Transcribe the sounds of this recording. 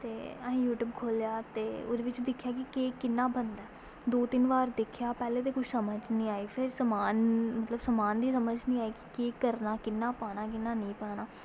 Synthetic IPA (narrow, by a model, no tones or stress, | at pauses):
t̪eːəĩːjuːʈjuːbkʰoːljaːt̪eːʊ̰d̪eːʋɪt͡ʃd̪ɪkʰːjaːkɪkeːkɪnːaːbənd̪ɛː | d̪oːt̪ɪnʋaːɾd̪ɪkʰjaːpɛːleːt̪̬eːkʊt͡ʃʰsəməd͡ʒnĩːaːiːpʰɪɾsəmaːnmət̪ləbsəmaːnd̪iːsəməd͡ʒnĩːaːiːkɪ̥kiːkəɾnaːkɪnːaːpaːnaːkɪnːaːnĩːpaːnaː